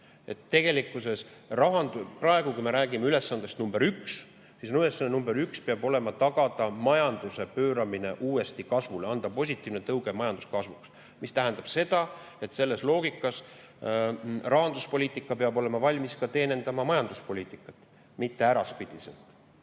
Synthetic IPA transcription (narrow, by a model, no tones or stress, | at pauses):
e̞t̪ːe̞ɡ̥e̞likːˑuse̞srɑɦɑnd̪uprɑe̞ɡukujme̞ɾæːɡimeyle̞sːɑnd̪est̪numbeɾyks | sisnylesːɑnːenumbeɾykspeɑbo̞le̞mɑt̪ɑɡ̥ɑd̪̥ɑmɑjɑnd̪use̞pø̞ːɾɑmine̞ʔuːe̞st̪ikɑsvuleɑnd̪̥ɑpo̞s̬ʲit̪ʲˑːiːvnet̪ɤwɡ̥emɑjɑnd̪uskɑsvuks | mist̪æɦænd̪̥ɑb̥se̞d̪̥ɑ | e̞t̪se̞lːe̞slo̞ːɡ̥ikːˑɑs | rɑɦɑnd̪uspo̞lʲiːt̪ˑikːˑɑpeɑbo̞le̞mɑvɑlʲmiskɑt̪e̞ːne̞nd̪̥ɑmɑmɑjɑnd̪̥uspo̞lʲiːt̪ˑikːˑɑt̪ːˑ | mit̪ːe̞æɾɑspid̪̥isḛlt̪ˑ